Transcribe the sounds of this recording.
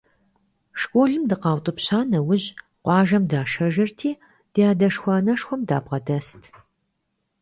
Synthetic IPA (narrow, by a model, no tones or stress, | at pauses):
ʂkʷʼoːɮɨmdɨqɑːwtʼɨpɕaːnɐwʊʑ | qʷʼɑːʒɐmdaːʂɐʒɪrtʰiː | d̥ijaːdɐʂxʷɑːnɐʂxʷɔmdaːbʁɐdɐstʰ